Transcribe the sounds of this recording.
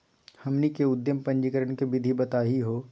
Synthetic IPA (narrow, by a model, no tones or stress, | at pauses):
hɐmnikeʊd̪jəmpɐ̃ɲd͡ʒikəɾəɳ̃kebɪd̪ʱibɐt̪aːɦiɦoː